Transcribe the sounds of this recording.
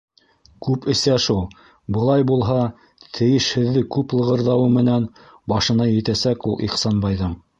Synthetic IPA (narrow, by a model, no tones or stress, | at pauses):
kʉpɘ̆sæʃulˠ | bɤ̆lˠɑjbulˠɦɑ | t̪ʰɘ̆jɘ̆ʃhɘ̆ðːɘkʉplˠɤ̆ʁɤ̆ɾðɑwɤmɘ̆næn | bɑʃɤ̆nɑjɘ̆t̪æsækulˠḭχsɑnbɑjðɤɴ